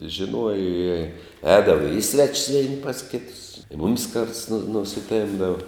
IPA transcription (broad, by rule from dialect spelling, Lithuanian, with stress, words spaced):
ʒʲɪˈnuɔjɛ ɪ ˈɛːdɐʋɐ ɪ ˈsʲʋʲæːt͡ʃʲɪs ˈʋʲæːnʲɪ pɐs ˈkʲɪtʊs ɪ ˈmʊmʲɪs kɐrts nʊ nʊsʲɪˈtʲɛmbdɐʋɐ